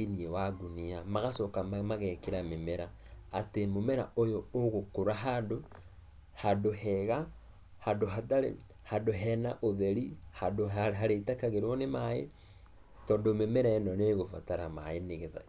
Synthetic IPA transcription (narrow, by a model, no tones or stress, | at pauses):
iniewaɡuniamaɣasɔkamaɣɛkeɾamemɛɾa | atemomɛɾa̰ʔojooɣokoɾaɦando | hadohɛɣa | handoɦataɾe | hadoɦɛnaʔoðɛɾihadoaɦaɾetakaɣeɾewɔnemaḛ | tɔndomemɛɾaɛnɔneːɣofataɾama̰eneɣeða̰